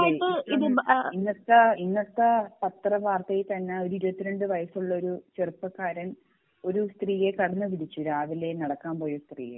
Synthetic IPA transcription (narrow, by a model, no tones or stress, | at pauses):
ɨiðɨinːɐt̪ːɐinːɐt̪ːɐpɐt̪rɐʋaːrt̪ɐjit̪ɐnːeo̞ɾuiɾuɐt̪ːiɾeɳɖɨʋɐjɐsuɭːɐo̞ɾut͡ɕerupːɐkːaːɾɐn | o̞ɾust̪riːjekɐɽɐnːɨʋiɽit͡ɕːuɾaːʋile̞nɐɽɐkːaːmpo̞ːjost̪rḭːjḛ